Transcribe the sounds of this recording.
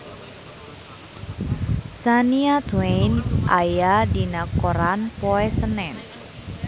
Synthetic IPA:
saniat̪wenʔajadinakoɾanpɔɛsənɛn

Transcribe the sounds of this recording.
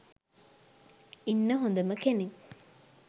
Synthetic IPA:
inːəɦond̪əməkeni

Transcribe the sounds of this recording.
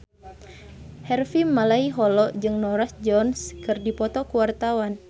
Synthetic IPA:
hɛrfimːalaiɦɔlɔd͡ʒɨŋnɔɾasd͡ʒɔnskɨrdipɔt̪ɔkuwart̪awan

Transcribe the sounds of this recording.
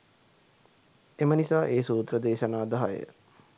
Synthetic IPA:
emənisaːʔeːsuːt̪rəd̪eːʃənaːd̪aɦajə̰

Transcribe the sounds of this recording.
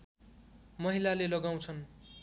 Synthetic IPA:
mʌɦilalelʌɡaw̃t͡sʰʌn

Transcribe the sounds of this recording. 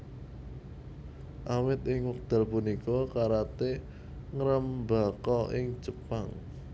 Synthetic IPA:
ʔawɪt̪ɪŋwək̚d̪̥a̤lpunikɔkaɾat̪e | ŋəɾəmbakɔʔɪŋd͡ʒəpaŋ

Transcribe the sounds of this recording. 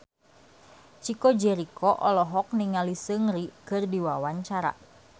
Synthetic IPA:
t͡ʃikɔd͡ʒɛɾikʰɔʔɔlɔɦɔk̚niŋalisɨŋrikɨrdiwawaɲt͡ʃaɾa̰

